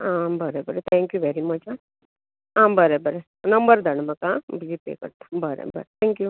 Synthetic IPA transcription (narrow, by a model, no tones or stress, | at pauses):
ãːmbəɾebəɾt̪ʰɛ̃ŋkjuʋɛɾimɐt͡ʃ | ãːmbəɾebəɾe | nɐmbəɾd̪ɐɳmɐkãbid͡ʒipḛːkə̰ɾt̪ḁbəɾḛbə̰ɾt̪ʰɛ̃ŋkju